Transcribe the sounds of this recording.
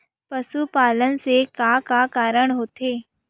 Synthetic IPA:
pɐsupaːlənsekaːkaːkaːɾəɽ̃ɦoːt̪eː

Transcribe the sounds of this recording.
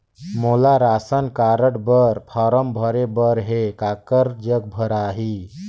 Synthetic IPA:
molaɾasənkaɾəɽbəɾpʰɔːɾəmbʱəɾebəɾɦekakəɾd͡ʒəɡ̚bʱəɾaɦi

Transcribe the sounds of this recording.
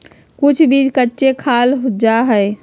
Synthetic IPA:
kʊt͡ʃʰbid͡ʒkətːʃekʰalɦud͡ʒaɦəɪ

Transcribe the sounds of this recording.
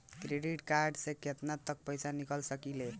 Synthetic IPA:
kɾeɖiʈkaɾɖsẽkʰet̪nat̪ːək̚pəjsanikəlsəkile

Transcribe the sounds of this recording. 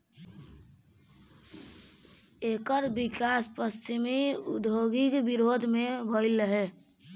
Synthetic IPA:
ekəɾbikaspəst͡ʃimiud̪ʱjoɡikbiɾod̪ʱmebʱəɪləɦe

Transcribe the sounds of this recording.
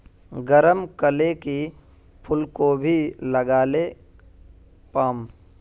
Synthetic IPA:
ɡəɾəmkəleki | pʰʊlkobʱiləɡaːle | paːm

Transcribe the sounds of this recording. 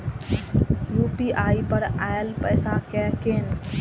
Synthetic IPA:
jupiʔaːipəɾaelpəjsãkɛken

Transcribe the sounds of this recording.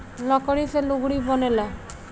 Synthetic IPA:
lɔkɔɽiseloɡɽibɔnela

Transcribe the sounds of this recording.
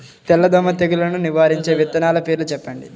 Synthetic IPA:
t̪ɛlːɐd̪ɔmɐt̪eɡulɐnuniʋaːɾiɲt͡ʃe̞ːʋit̪ːɐnaːlɐpeːɾlut͡ʃɛpːɐɳɖḭ

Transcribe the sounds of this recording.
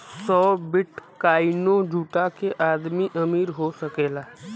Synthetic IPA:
sɔːbɪʈkaːinod͡ʒʱuːʈakeʔaːd̪miʔɐmiːɾɦosɐkeːlaː

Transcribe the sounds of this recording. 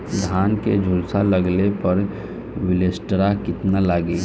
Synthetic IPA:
d̪ʱaːnked͡ʒʱʊlsaləɡlepəɾ | wɪlesʈɾakɪt̪nalaːɡe

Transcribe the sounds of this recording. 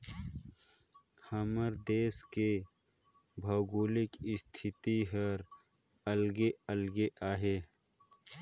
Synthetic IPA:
hɐməɾd̪eːske | bʱɐːɡuːlɪkɪst̪ʰɪt̪iɦəɾ | əlɡeəlɡeʔaːɦeː

